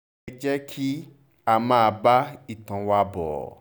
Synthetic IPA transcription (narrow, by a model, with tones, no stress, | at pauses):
ɛ˧d͡ʒɛ˦kʰi˦ | a˦mãː˦a˧ba˦i˦˨tã˨˦wa˧bɔ̰˨